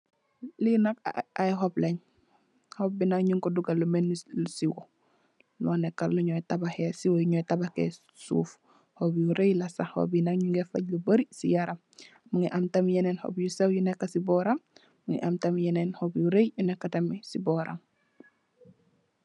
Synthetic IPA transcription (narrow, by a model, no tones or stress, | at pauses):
linakajɦopleɲ | hop̚binaŋɲuŋkoduɡalumenːsiwo | loːnekːaluɲotabahesiwojuɲojtabakḛ | sṵːf | hobjuɾejlasaho̰binaŋɲuŋɡefa̰ɟluboɾisijaɾʔam | muŋiʔamtamjenenho̰bjusewjunekːasibɔɾam | muŋḭʔamtamjenenhobjuɾejjunekːatamisiboɾa̰m